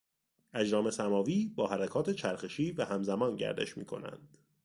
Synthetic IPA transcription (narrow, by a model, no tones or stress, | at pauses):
æd͡ʒɾɒːme̞sæmɒːviːbɒːhæɾækʰɒːt̪ʰe̞t͡ʃʰæɾxe̞ʃiːvæhæmzæmɒːnɟæ̰ɾd̪e̞̰ʃmḭːkʰo̞̰næ̰nd̪̥